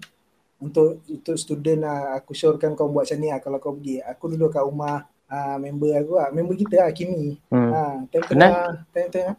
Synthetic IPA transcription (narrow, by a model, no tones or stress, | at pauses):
unt̪ʊʔunt̪ʊʔst̪udənaakusɔrkankawbuaʔ̪̚saniahkalakawpəɡiakudulukaumah | amembəakuamembəkit̪əakimiat̪aŋt̪əaat̪ɛt̪ɛŋa